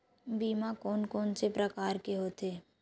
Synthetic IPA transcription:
biːmakɔːnkɔːnsepɾəkaːɾkeɦoːt̪eː

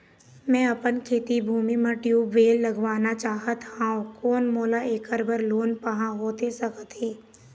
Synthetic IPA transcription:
mɛ̃ːɐpənkʰeːt̪ibʱuːmimɐʈjuʋeːlːəɡʋaːnat͡ʃaːɦət̪ɦãːõkoːnmoːlaʔeːkəɾbəɾloːnpəɦãɦoːt̪esəkət̪ɦeː

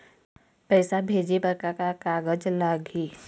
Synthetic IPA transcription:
pɛːsabʱeːd͡ʒibəɾkakakaːɡəd͡ʒlaɡiː

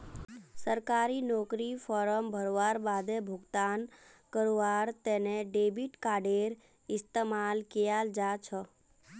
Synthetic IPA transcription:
səɾkaːɾinɔːkɾifʰɔɾəmbʱəɾoʋaɾbad̪ebʱʊɡt̪aːnkəɾoʋaɾt̪ɛneɖebiʈkaːɖeɾ | ɪst̪emalkijald͡ʒat͡ʃʰə

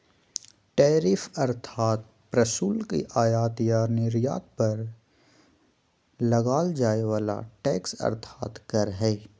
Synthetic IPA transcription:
ʈɛːɾɪfɐɾt̪ʰaːt̪̚ | pɾɐsuːlkḭʔaːjaːt̪janɪɾja̰ːt̪̚pɐɾ | lɐɡaːld͡ʒaːeʋaːla̰ʈɛːksɐ̰ɾt̪ʰaːt̪kɐɾɦɛː

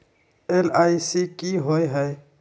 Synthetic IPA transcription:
elaːisikiɦoeɦɛ

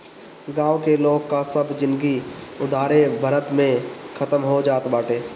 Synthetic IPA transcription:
ɡãːʋkeloːɡkasɐbd͡ʒɪ̃nd̪ɡiʊd̪ʱaːɾebʱɐɾət̪mẽkʰɐt̪əmɦod͡ʒaːt̪baːʈeː

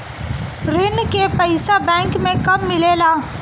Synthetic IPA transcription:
ɾɪnkepəɪsabɛ̃ːŋkmẽkɐbmɪleːlaː

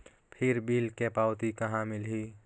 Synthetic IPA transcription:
pʰɪɾbiːlkepaːʊt̪ikɐɦãmɪlɦi

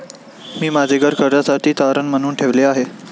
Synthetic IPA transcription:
miːmad͡zʱeɡʱəɾkʰəɾɾasaʈʰiːt̪aɾənmənuːnʈʰeʋleaɦe

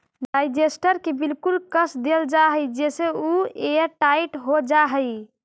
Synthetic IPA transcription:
ɖajd͡ʒesʈəɾkebilkulkəsd̪eld͡ʒaɦəjd͡ʒeseueəʈaiʈɦod͡ʒaɦəj

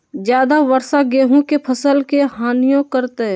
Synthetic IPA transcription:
d͡ʒjaːd̪aʋəɾsaɡeːɦõkepʰɐsəlkeɦaːnijõkəɾt̪e

